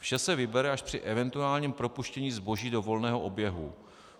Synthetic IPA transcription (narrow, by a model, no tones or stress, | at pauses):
fʃɛsɛvɪbɛɾɛaʃpr̝̥ɪʔɛvɛnt̪uaːlɲiːmpɾo̞puʃcɛɲiːzbo̞ʒiːdo̞vo̞lnɛːɦo̞ʔobjɛɦṵ